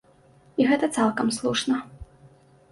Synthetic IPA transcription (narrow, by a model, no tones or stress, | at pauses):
iɣɛt̪ɐt̪salˠkɐmslˠuʂnɐ